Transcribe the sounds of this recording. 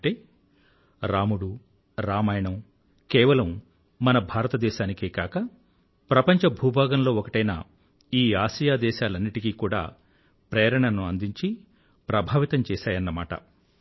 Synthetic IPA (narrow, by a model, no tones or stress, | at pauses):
ɳʈeː | ɾaːmuɽu | ɾaːmaːjɳɐm | kɛːʋɐlɐmː | ɐnɐbʱaːɾɐt̪ɐd̪ɛːʃaːnikeːkaːkɐ | pɾɐpɐɲt͡ʃɐbʱuːbʱaːɡɐmlo̞ːɔkɐʈɐjna̰ | iːaːʃijaːd̪ɛːʃaːlɐnːiʈikikuːɽa̰ː | pɾeːɾɐɳɐnuɐnd̪iɲt͡ʃi | pɾɐbʱaːʋit̪ɐmt͡ʃɛːʃaːjɐnːɐmaːʈɐ̰